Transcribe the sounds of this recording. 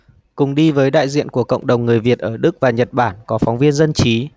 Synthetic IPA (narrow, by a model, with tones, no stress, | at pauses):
kʊ˨˩ŋ͡mɗi˧vəː˨˦jɗa̰ː˧˨jzḭ˧˨ənku˧˩əkə̰˧˨wŋ͡mɗə˨˩wŋ͡mŋɨ˨˩əjvi˨˩ət̚ʔəː˧˩ɗɨ˦˥k̚vaː˨˩ɲə˨˩t̚ɓaː˧˩nkɔ˨˦fɔ˨˦wŋ͡mvi˧ənzə˧nt͡ɕi˨˦